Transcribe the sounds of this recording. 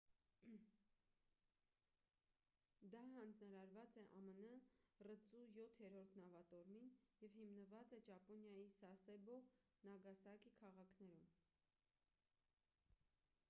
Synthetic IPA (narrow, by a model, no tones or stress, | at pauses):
d̪ɑɦɑnd͡znɑɾɑɾvɑt͡sɛʔɑmənərət͡sujɔt̪ʰhɛɾɔɾt̪ʰnɑvɑt̪ɔɾminjɛvhimnəvɑt͡sɛt͡ʃɑpɔnjɑjisɑsɛbɔ | nɑɡɑsɑkikʰɑʁɑkʰnɛɾum